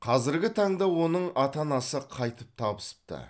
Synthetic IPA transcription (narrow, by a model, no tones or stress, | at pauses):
qʰɑzɪɾɡʲɪt̪ʰɑɴd̪ɑwo̞nəɴʔɑt̪ɑnɑsəqʰɑjt̪əp̚t̪ʰɑbəsə̥p̚t̪ə̰